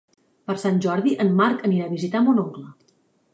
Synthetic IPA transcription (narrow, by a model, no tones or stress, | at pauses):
pəɾsanʲʒɔɾðiʔənmaɾkəniɾaβizit̪amonoŋklə